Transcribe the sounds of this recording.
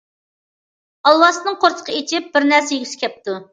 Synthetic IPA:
ɑlˠwɑsnɨŋqʰoɾt̪ʰə̥qʰəet͡ʃɪp̚bɪɾnæɾsɛjyɪsɪ̥kʲʰɛp̚t̪u

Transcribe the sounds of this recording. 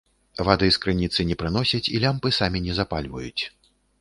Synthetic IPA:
vad̪ɨskɾɨnʲit̪sɨnʲɛpɾɨnɔsʲɐt͡sʲilʲampɨsamʲinʲɛzapalʲvɐ̰jut͡sʲ

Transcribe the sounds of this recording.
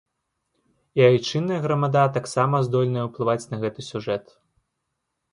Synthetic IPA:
iajt͡ʂɨnːɐjɐɣɾɐmad̪at̪aksamɐzd̪ɔlʲnɐjɐwplˠɨvat͡sʲnɐɣɛt̪ɨsʲuʐɛt̪

